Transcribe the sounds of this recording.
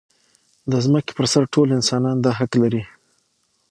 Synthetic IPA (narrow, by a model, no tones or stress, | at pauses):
d̪əzməke̥pəɾsaɾʈʰolɪnsɑnɑnd̪ɑɦaklaɾi